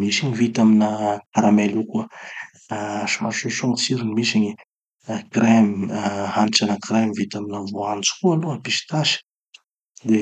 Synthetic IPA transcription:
misiɲivit̪aminəaɾamelukuə | ʃimaʃeʃuŋsiɾinimisiɲi | kremihanʈ͡ʂanəkɾemivit̪aminavoant͡su̥kualuapiʃi̥t̪aʃi̥ | d̪e

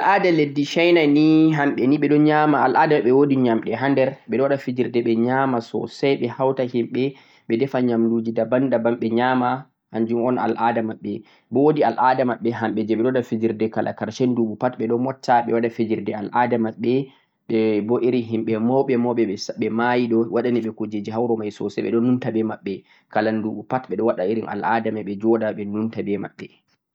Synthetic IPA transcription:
ʔalʔadaledːiʃajnajniɦamɓɛniɓɛɗɔɲamaa̰lʔaːdamaɓɛwodiɲamɗɛɦandɛɾɓɛɗɔwaɗafid͡ʒiɾdɛɓɛɲamasɔ̰sajɓɛhawtahimɓɛ | ɓɛdɛfaɲamduːd͡ʒidabandabamɓɛɲama | haɲd͡ʒumɔna̰lʔadamaɓːɛ | bɔwodialʔadamaɓːɛɦamɓɛd͡ʒɛɓɛɗɔdafed͡ʒiɾdɛkalʔa̰kaɾʃɛnduɓupatɓɛɗɔmɔtʰːaɓɛwaɗafed͡ʒiɾdɛalʔaːdamaɓːɛ | ɓɛbɔʔeɾiɦimɓɛmɔɓɛmɔɓɛɛsɓɛmajiɗɔwaɗaniɓɛkod͡ʒed͡ʒiɦawɾɔmajsɔ̰sɛ̰ɓɛ̰ɗɔnuntabɛmaɓːɛ | kalanduɓupatɓɛɗɔwaɗaiɾina̰la̰damaɓɛd͡ʒɔdaɓɛnuntabɛma̰ɓːɛ

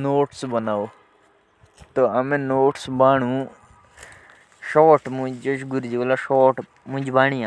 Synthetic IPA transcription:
noːʈsbɐnaːo | t̪oɐmẽnoːʈsbaːɳũː | ʃoːʈmũd͡ʒoʃɡuɾd͡ʑilaʃoːʈ | mũd͡ʑbaːnia

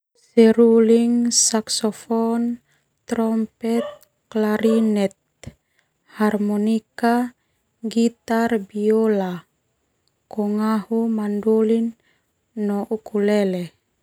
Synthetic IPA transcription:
sɛɾuliŋsaksɔfɔn | t̪ɾɔmpɛt̪̚ | klaɾinɛt̪̚ | harmɔnika | ɡit̪arbiola | kɔŋahumandulinː | ɔʔukʰulɛlɛ

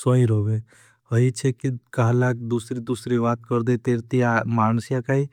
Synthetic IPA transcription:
soĩɾoʋe | əit͡ʃʰekikaɦlakd̪usɾid̪usɾiʋaːt̪kəɾd̪et̪eːɾt̪iamaːnsjakai

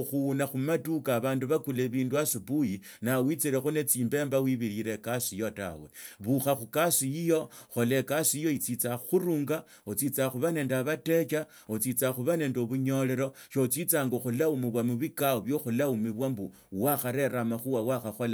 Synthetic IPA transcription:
xuunaxumatukaβaːnduβakuleβiːnduasupuji | nawit͡siɾexune̞t͡siːmbe̞ːmbawiβiɾiɾe̞kasijota̰we̞βuxaxukasiijo̞xo̞le̞kasijo̞it͡sit͡saxuɾuːŋɡa | ot͡sit͡saxuβane̞ːndaβate̞t͡ʃa | ot͡sit͡saxuβaneːndoβuɲo̞le̞ɾo̞ʃot͡sit͡saːŋɡoxulaumiβwamuβikaoβjo̞xulaumiβwambu | waxaɾe̞ɾamaxuwawaxaxo̞la

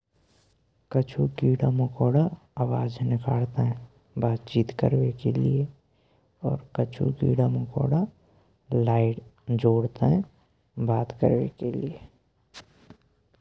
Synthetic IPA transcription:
kət͡ʃʰukiːɽaməkɔːɽa | awaːd͡ʒnɪkaːɽt̪eɦɛ̃ | baːt̪t͡ʃiːt̪kə̰ɾwekelḭe | ɔːɾkət͡ʃʰṵkḭːɽaməkɔ̰ːɽa | laːɪʈd͡ʒoːɽt̪eɦɛ̃ | baːt̪kə̰ɾwḛkelie

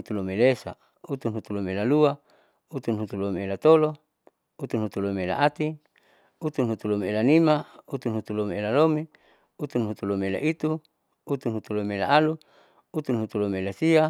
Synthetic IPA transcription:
ut̪ulomelesa̰ | ut̪unɦut̪ulomelalua | ut̪unɦut̪ulomeelat̪olo | ut̪unɦut̪ulomeela̰at̪i | ut̪unɦut̪ulomielanimaut̪unɦut̪ulomeelalome | ut̪unɦut̪ulomela̰ʔit̪u | ut̪unɦut̪ulomela̰ʔalu | ut̪unɦut̪ulomeelasia

